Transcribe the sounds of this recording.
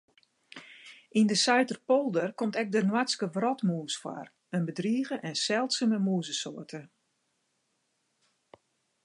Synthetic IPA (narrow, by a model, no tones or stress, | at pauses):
ʔindəsœɥtərpolˠdərkɔmtɛk̚dənwaskəʋrɔtmuːsfwa̰r | ənbədriːɣəʔɛnsɛlˠtsəməmuːzəsoːətʰə